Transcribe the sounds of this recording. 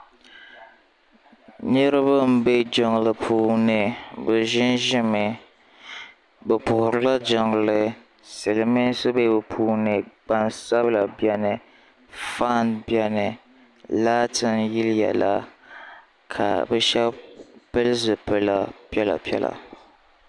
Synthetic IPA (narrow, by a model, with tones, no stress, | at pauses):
ɲɛ˦ɾɨ˦ba˦m̩˦be˦d͡ʒɔ˨ŋ˨lɨ˦pʰuː˦nɨ˨bɛ˨ʒɪ˦nʒɪ˦mɨ˨ | bɛ˨pʊ˨hʊ˨ɾɨ˦la˦d͡ʒa˨ŋ˨lɨ˦ | sɨ˨lɨ˨mɨ˦sɨ˦be˦˨bɨ˨pʰuː˦nɨ˨ɡ͡ba˦nsa˦bɨ˦la˨bɛ˦nɨ˨ | fa˦˨nbɛ˦nɨ˨ | la˦tɪ˨nji˦ljɛ̰˨la̰˦ | kʰa̰˨bɛ˦ʃɛ˦bpɨ˦lzɨ˨pɨ˦la˨pjɛ˦la̰˨pi˦ɛ̰˦la̰˨